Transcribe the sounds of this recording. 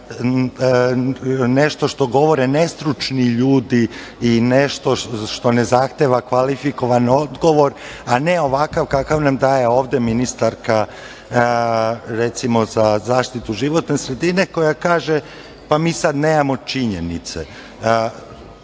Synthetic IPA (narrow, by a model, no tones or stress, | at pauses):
neʃt̪o̞ʃt̪o̞ɡo̞ʋo̞ɾene̞st̪ɾut͡ʃniʎuːd̪i | ineʃt̪o̞ʃt̪o̞nezaxt̪eːʋakʋalifiko̞ʋanod̪ɡo̞ʋo̞ɾaneo̞ʋakaʋkakaʋnamd̪aːje̞o̞ːʋd̪eminist̪aɾka | ɾet̪simo̞zazaːʃt̪it̪uʒiʋo̞t̪nesɾe̞d̪ine̞ko̞jakaːʒe | pamiːsad̪neːmamo̞t͡ʃiɲe̞nḭt̪sḛ